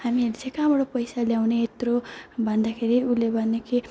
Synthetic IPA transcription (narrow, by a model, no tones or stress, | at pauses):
hamid͡zekabʌɽopʌjsaljawneːt̪robʱʌnd̪akʰeɾiulebʱʌnekʰi